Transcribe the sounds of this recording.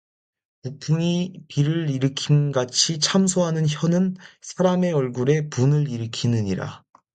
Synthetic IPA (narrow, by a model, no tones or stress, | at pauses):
uk̚pʰuŋipiɾɯɾiɾɯkʰinɡat͡ɕʰit͡ɕʰamsʰoɦanɯnçjʌnɯnsʰaɾame̞ʌɭɡuɾe̞punɯɾiɾɯkʰinɯɲiɾa̰